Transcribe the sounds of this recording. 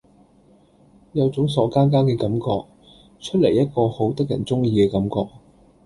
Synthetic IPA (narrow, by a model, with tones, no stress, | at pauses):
jɐ˨˧wt͡sʊ˨˥ŋs̬ɔː˨˥kaː˥nk̬aː˥kɛː˧kɐ˨˥mkɔː˧k̚ | t͡ʃʰɵ˥t̚le˨˩jːɐ˥t̚kɔː˧ho˨˥wt̪ɐ˥k̚jɐ̰˨˩nt͡sʊ˥ŋjiː˧kɛː˧kɐ˨˥mkɔː˧k̚